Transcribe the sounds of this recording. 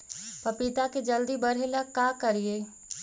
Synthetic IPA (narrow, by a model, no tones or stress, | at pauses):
pəɾpɪt̪aked͡ʒəld̪ibəɽ̤elakakəɾie